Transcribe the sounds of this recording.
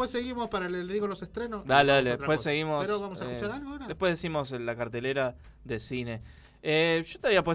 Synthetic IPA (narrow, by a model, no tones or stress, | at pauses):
wesːeɣimospaɾaleðiɣolosest̪ɾenosd̪aleðaleðepwessːeɣimoseɾoβamosaekt͡ʃaɾalɣoaoɾadepwe̞ðesimo̞selːakaɾt̪e̞leɾa | ðesine̞ | eʃot̪eaβiap̬we